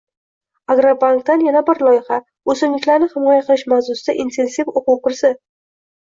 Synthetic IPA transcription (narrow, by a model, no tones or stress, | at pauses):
aɡɾabaŋkt̪anjanabɪɾlˠɒjɪχa | ɵzɪmlɪkʲlaɾnɪhɪmɒjaqɨlˠɪʃmawzʊsɪd̪aʔint̪ʰe̞nsifoqʊwqʊɾsɪ